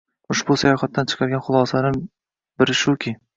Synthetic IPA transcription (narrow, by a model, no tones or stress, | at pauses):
ʊʃbʊsajɒχat̪ːant͡ʃʰɨ̥qʰɑɾɡʲanχʊlˠɒsanɪm | bɪɾɪʃʊkʲʰɪ